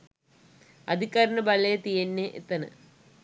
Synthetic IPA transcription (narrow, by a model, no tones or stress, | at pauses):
ɐd̪ʱikːaːɾɐnɐbɐlejɐt̪ijɐnːeʔḛt̪ːɐnɨ̰